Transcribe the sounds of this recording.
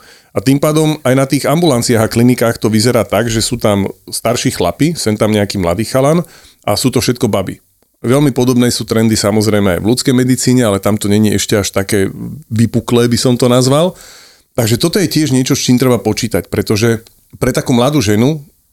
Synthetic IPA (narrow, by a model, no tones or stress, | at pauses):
at̪impaːd̪ɔmajnat̪iːɣambulant͡siaɣaklinikaːxt̪ɔʋizɛɾaːt̪aɡʒɛsuːt̪amst̪aɾʃixla̰pisɛnt̪amɲɛakiːmla̰d̪iːxalan | ʔa̰suːt̪ɔfʃɛt̪̚kɔbabḭ | ʋɛlmipɔd̪ɔbnɛːsuːt̪ɾɛnd̪isamɔzɾɛjmɛa̰jʋlut͡skɛjmɛd̪it͡siːɲɛalɛt̪amt̪ɔɲɛɲiʔɛʃcɛaʃt̪akɛːʋipuklɛːbisɔmt̪ɔnazʋal | t̪aɡʒɛt̪ɔt̪ɔjɛcɪɛʒɲɪɛt͡ʃɔst͡ʃiːmt̪ɾɛbapɔt͡ʃiːt̪acpɾɛt̪ɔʒɛ | pɾɛt̪akuːmlad̪uːʒɛnu